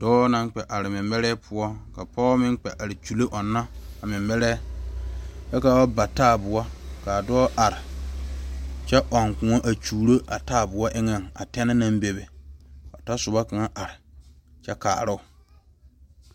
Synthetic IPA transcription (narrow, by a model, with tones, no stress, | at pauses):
d̥ɔː˦na˦ŋ˦k͡pɛ˨ʔa˨ɾɪ˨mɪ˨mːɛ˦ɾɛː˦pʰʊ˦ɔ˦ka˨pɔ˦mɪ̃˦ŋk͡pɛ˨ʔa˨ɾɪ˨t͡ʃu˨lo˦ʔɔ˨nːa˦a˨mɪ˨mbɛ˦ɾɛː˦ | t͡ʃɛ˦ka˨wa˦ba˨taː˦˨bʊ˨ɔ˦ka˨dɔː˦ʔa˨ɾɪ˨ | t͡ʃɛ˦ʔɔ˨ŋkʊ̃˨ŋo˦ʔa˨t͡ʃuː˨ɾo˦ʔa˨taː˦˨bʊ˨ɔ˦ʔɪ˦ŋɛ˨ŋa̰˨tɛ˦nɪ˦na˦mbe˨be˨ɔ˨ta˦sʊ˨ba˦ka˨ŋa˦ʔa˨ɾɪ˨t͡ʃɛ˦ka̰ː˨ɾʊ˦ʊ˨